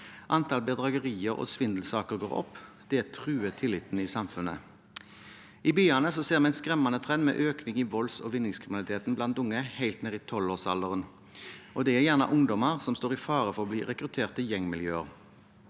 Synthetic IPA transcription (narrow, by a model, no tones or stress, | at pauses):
ʔɑnt̪ʰɑlbɛd̪ʁɑɡəʁiːəʁɔ̰sʋɪnd̪l̩sɑːkəʁɡo̰ʁɔ̰p | d̪̥ɛt̪ʰʁʉːət̪ʰɪlːɪt̪nisɑmfʉnːə̰ | ɪbyːɑnəsɔseːʁmɛæɪnskʁɛmɑnət̪ʰʁɛnmɛ̰ːʔøːknɪŋɪʋɔlsɔ̰ːʋɪnːɪŋskʰʁɪmnlɪt̪eːt̪n̩blɑnt̪ʊŋːəhæɪlt̪neːʁɪt̪ʰɔloːsɑ̰lːəʁən | ʔɔd̪ɛæʁjæʁnɑ̰ʔʊŋd̪ɔməʁsɔmst̪oːʁɪfɑːʁəfɔʁɔbliːʁɛkʁʉt̪ʰeːʁt̪əjɛŋmɪljøːəʁ